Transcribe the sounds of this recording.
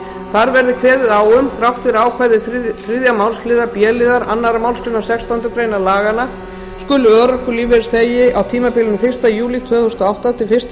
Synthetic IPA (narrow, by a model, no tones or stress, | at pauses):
θaɾvɛɾðɪkʰvɛːðɪðaːwʏmθɾawht̪vɪɾaːwkʰvajðɪθɾɪðjamawlslɪːðaɾpjɛːlɪðaɾa̰nːaɾamawlscʏnːasɛkst̪ant̪ʏkɾejnalaːɣana | skʏlʏœːɾakʏlivɛɾθeːjɪʔawt̪ʰiːmapɪːlɪʏnʏfɪr̥st̪ajuːlit̪ʰvœːθʏʏst̪ɔawht̪at̪ʰɪlfɪr̥st̪